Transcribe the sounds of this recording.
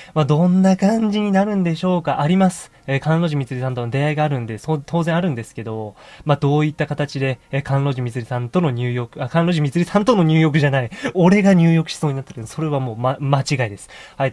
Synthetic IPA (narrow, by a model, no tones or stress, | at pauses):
mad̪õ̞nːakãɲ̟d͡ʑiɲ̟inaɾɯ̟̃nd̪e̞ɕo̞ːkaʔaɾʲimasɨ̥ | ekãnɾo̞ʑimʲit͡sɨɾisãnt̪o̞nod̪e̞aiɡaːɾɯ̟̃nd̪e̞soːt̪ʰo̞ːzẽaɾɯ̟̃nd̪e̞sɨ̥ke̞d̪o̞mad̪o̞ːit̪ːakat̪at͡ɕid̪e̞kãnɾo̞ːʑimʲit͡sɨɾʲisãnt̪o̞no̞ɲ̟ɨːjokɯ̟akãɾo̞ːʑimʲit͡sɨɾʲisãnt̪o̞no̞ɲ̟ɨːjo̞k̬ɯ̟ʑanaio̞ɾe̞ɡaɲ̟ɨːjo̞kɯ̟̥ɕi̥so̞ːɲinat̪ːeɾɯneso̞ɾe̞βamo̞ːmamat͡ɕiɡaid̪esɨ̥hai